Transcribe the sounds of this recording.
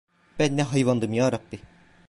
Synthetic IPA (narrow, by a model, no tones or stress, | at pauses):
b̥ænːɛɦɑjvand̪ɯmjaːɾabːi